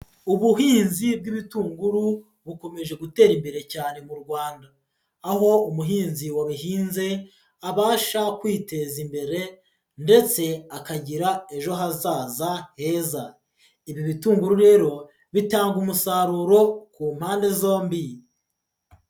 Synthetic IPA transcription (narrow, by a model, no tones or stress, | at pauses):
uβuɦiːnzib̚ɡiβituːŋɡuɾu | βuko̞me̞ʒe̞ɡute̞ːɾimbe̞ɾe̞caːne̞muɾɡwaːndaː | ho̞umuɦiːnziwaβiɦiːnze̞ | aβaːʃakwiːte̞zimbe̞ɾe̞ | nde̞t͡se̞akaɟiɾae̞ʒo̞ɦazaːzahe̞ːza | iβjoβituːŋɡuɾuɾe̞ːɾo̞ | βitaːŋɡumusaɾuɾo̞kuːmhaːnde̞zo̞ːmbi